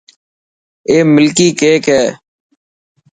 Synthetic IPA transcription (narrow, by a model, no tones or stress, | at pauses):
eːmɪlkiːkeːkɦɛː